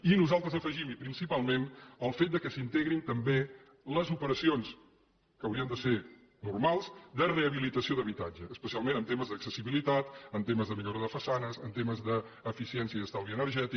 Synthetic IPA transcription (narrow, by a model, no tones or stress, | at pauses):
inuzalˠt̪ɾəzəfəʒimipɾinsipalˠmenəlˠfet̪̚d̪əkəsint̪eɣɾint̪əmbe | ləzupəɾəsions | kəwɾiənd̪əseɾ | nurmalˠzd̪əreəβ̞ilit̪əsioðəβit̪ad͡ʒəːspəsialˠmẽnənt̪eməzðəksəsiβilit̪at̪ənt̪eməzðəmiʎoɾoðəfəsanəzənt̪eməzðəː | fisiɛnsiəiðəst̪awliənəɾʒɛt̪i